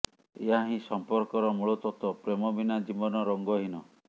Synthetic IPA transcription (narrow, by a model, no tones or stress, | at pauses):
eɦaɦĩsɔmpɔɾkɔɾɔmuɭɔt̪ɔt̪ɔpɾemɔbinad͡ʒibɔnɔɾɔŋɡɔɦinɔ